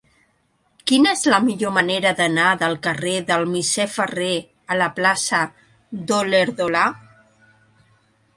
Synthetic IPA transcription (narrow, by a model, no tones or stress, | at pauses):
kinəezləmiʎoməneɾəðənaðəlˠkəreðəlˠmisɛfəre | ələplasə | d̪oleɾðola